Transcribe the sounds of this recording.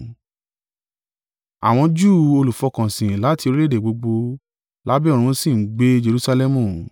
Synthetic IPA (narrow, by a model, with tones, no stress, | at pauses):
a̰˨w̃ɔ̃˧d͡ʒuː˦˨o˧lu˨fɔ˧kã˨sĩ˨la˨˦ti˧o˧ɾi˦le˦de˨ɡ͡bo˧ɡ͡bo˧ | la˦bɛ˦ɔ˦˨ɾ̃ũ˧˦sĩ˦˨ŋ̩˦ɡ͡be˦d͡ʒe˧ɾu˦sa˧lɛ˦mũ˨